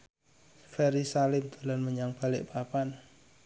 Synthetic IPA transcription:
fɛɾisalɪmt̪ulanməɲaŋb̥a̤lɪʔpapan

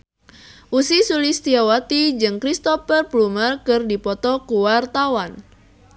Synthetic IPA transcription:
ʔusisulist̪iawat̪id͡ʒɨŋkɾist̪ɔfərplumərkɨrdipɔt̪ɔkuwart̪awan

